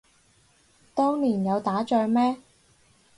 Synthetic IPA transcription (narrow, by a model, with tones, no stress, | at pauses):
t̪ɔː˥ŋliː˨˩njɐ˨˧wt̪aː˨˥t͡ʃœː˧ɥmɛː˥